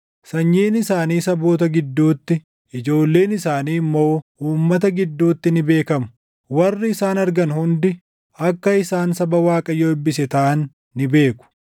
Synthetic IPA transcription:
sɐɲːeːnɪsaːniːsɐbo̞ːt̪ɐɡɪd̪ːuːt̪ːɪ | ɪd͡ʒo̞ːlːe̞ːnɪsaːniːmːo̞ːʔuːmːɐt̪̬ɐɡɪd̪ːuːt̪ːɪnɪbe̞ːkɐmʊ̥ | wɐrːɪɪsaːnɐɾɡɐnhʊnd̪ɪ | ʔɐkːɐɪsaːnsɐbɐwaːkʼɐjoːɪbːɪsɛt̪ɐʔɐnː | ɪbe̞ːkʊ̥

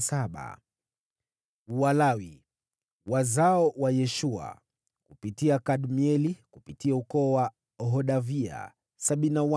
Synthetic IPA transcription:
saɓa̰ | uwalawi | wazaɔwajɛʃua̰ | kupitiakaɗmiɛlikupitiaukɔːwa | ɦɔɗavia̰ | saɓininawa

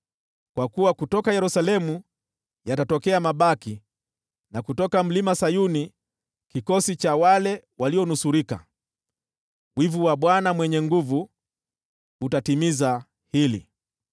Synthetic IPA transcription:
kwakuwakutɔkajɛɾusalɛmu | jatatɔkɛamaɓaki | nakutɔkam̩limasajuni | kikɔsit͡ʃawalɛwaliɔnusuɾika̰ | wivuwaɓwanamwɛɲɛŋɡuvu | utatimiza | hilḭ

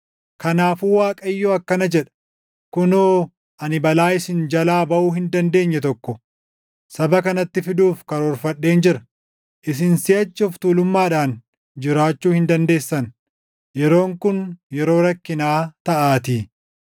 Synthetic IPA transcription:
kɐnaːfuːwaːkʼɐɪjːoːɐkːɐnɐd͡ʒɛᶑɐ̥ | kʊno | ʔɐnɪbɐlaːɪsɪnd͡ʒɐlaːbɐʔuːɦɪnd̪ɐnd̪e̞ːɲːɛt̪ɔkːɔ | sɐbɐkɐnɐt̪ːɪfɪd̪uːfkɐɾɔːɾfɐɗːe̞ːnd͡ʒɪɾɐ̥ | ʔɪs̬ɪnsɪjɐt͡ʃːʊft̪uːlʊmːaːᶑaːn | d͡ʒɪɾaːt͡ʃːuːhɪnd̪ɐnd̪e̞ːsːɐn | jɛɾo̞ːŋkʊnjɛɾo̞ːɾɐkːɪnaːt̪ɐʔaːt̪iː

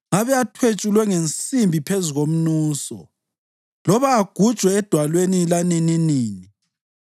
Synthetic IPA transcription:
ŋaβɛatʰwet͡ʃʼulwɛŋent͡sʼimbʱipʰezuɣom̩nuːsɔ̰ | lɔβaːɡ̥ʱud̥ʒ̥ʱwɛːd̥ʱwalwenilanininiːni

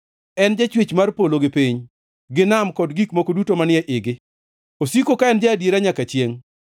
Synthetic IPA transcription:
ɛnd͡ʒat͡ʃwet͡ʃmarpoloɡɪpiɲ | ɡɪnamkɔdɡikmokodutomanɪɛʔɪɡɪ | osikokaɛnd͡ʒaːdjeɾaɲakat͡ʃjeŋ

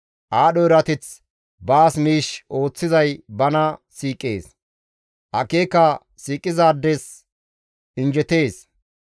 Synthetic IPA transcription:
ʔaːɗɔɪɾɐt̪ɪt͡s | baːsmiːʃo̞ːt͡sːɪzɐjbɐnɐsiːkʼːḛːs | ʔɐke̞ːkɐ | siːkʼːɪzaːd̪ːɛs | ʔɪnd͡ʒɛt̪e̞ːs

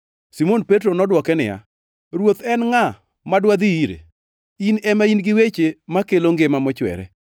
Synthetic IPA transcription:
simonpetɾonɔdwɔkɛnɪ̰ja̰ | ɾwot̪ɛnŋa | madwad̪iiɾḛ | inɛmainɡɪwet͡ʃemakeloŋɡemamɔt͡ʃwɛ̰ɾɛ̰

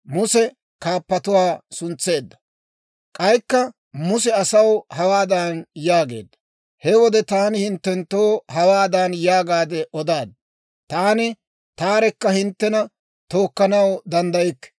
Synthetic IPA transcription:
mʊsɛ | kaːpːɐt̪ʊwaːsʊnt͡sːe̞ːd̪ːɐ̥ | kʼɐjkːɐ | mʊs̬ɛɐsɐwhɐwaːd̪aːnjaːɡe̞̰ːd̪ːɐ̥ | hɛwɔd̪ɛt̪aːnɪhɪnt̪ːɛnt̪ːoːhɐwaːd̪anjaːɡaːd̪ɛʔɔd̪aːd̪̚ | t̪aːnɪ | t̪aːɾɛkːɐhɪnt̪ːɛnɐ | t̪o̞ːkːɐnɐwd̪ɐnd̪ɐjɪkː

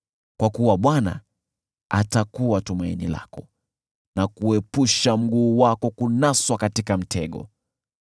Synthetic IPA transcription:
kwakuwaɓwana̰ | atakuwatumainila̰kɔ | nakuɛpuʃam̩ɡuːwakɔkunaswakatikam̩tʰɛɠɔ̰

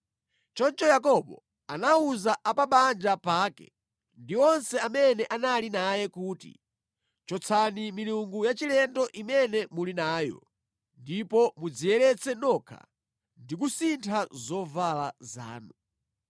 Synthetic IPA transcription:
t͡ʃɔnt͡ʃɔjakɔɓɔ̰ | anauzaʔapaɓand͡ʒapaːkɛ̰ | ndiɔnsɛamɛnɛʔanalinajɛkuːtḭ | t͡ʃɔt͡sʰanimiluŋɡujat͡ʃilɛndɔʔimɛnɛmulinaːjɔ̰ | ndipɔmud͡zijɛɾɛt͡sɛnɔkʰa̰ | ndik̬usintʰazɔvalaza̰ːnu

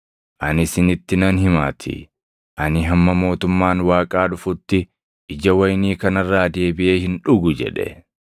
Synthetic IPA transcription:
ʔɐnɪsɪnɪt̪ːɪnɐnhɪma̰ːt̪ʰɪ̰ | ʔɐnɪɦɐmːɐmo̞ːt̪ʊmːaːnwaːkʼaːᶑʊfʊt̪ːɪ | ʔɪd͡ʒɐwɐjniːkɐnɐrːaːd̪e̞ːbɪʔe̞ːhɪnᶑʊɡʊd͡ʒɛ̰ᶑɛ̰

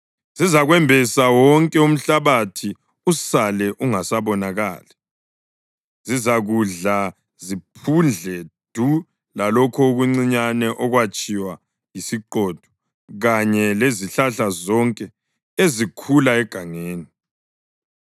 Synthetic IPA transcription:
zizaɣwɛmbʱɛsawɔŋkʼɛum̩ɬaβatʰi | usalɛʔuŋasaβɔnaɣa̰ːlɛ | zizaɣuɮa | zipʰund͡ɮʱɛd̥ʱu | lalɔkʰɔuɣuŋ͡ǀiɲanɛʔɔɣwat͡ʃʼiwa | jisiǃɔd̥ʱɔ̥ | ɣaɲɛleziɬaɬazɔŋkʼɛ | ezikʰulaɛɡ̥ʱaŋeːni

